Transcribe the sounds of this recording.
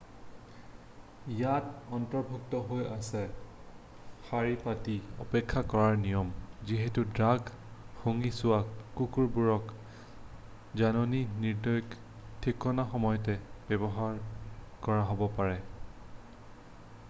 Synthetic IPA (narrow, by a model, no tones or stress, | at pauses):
jatɔntɔɹbʱuktɔɦojasɛ | xaɹipatiɔ̰pɛkʰːakɔɹaɹnijɔmziɦetudɹaɡ | xoŋisʊwakukuɹbuɹɔk | zanɔniniɹdɔjk | tʰikɔnaxɔmɔjɔtɛb̥ɛbɔɦaɹkɔɹaɦobɔpaɹɛ